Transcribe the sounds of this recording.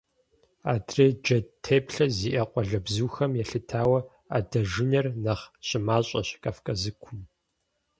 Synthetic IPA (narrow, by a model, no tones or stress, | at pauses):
a̰ːdreːd͡ʒɐtʰeːpɬɐziːʔɐqʷʼɔɮɐbzuːxɐmjɛɬɨtʰaːwɐ | a̰dɐʒɪnɐrnɐχɕʼɪmaːɕʼɐɕkʼafkʼɐzɨkʷʰʊm